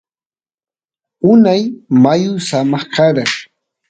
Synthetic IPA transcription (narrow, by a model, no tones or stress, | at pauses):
ʊnajmajʊsamɑχkaɾaŋ